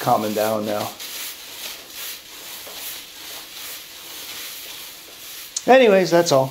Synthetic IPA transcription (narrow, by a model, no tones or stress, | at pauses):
kʰɑmɨ̃ndãʊ̃nːaʊ | ɛniweɪzðætsɔlˠ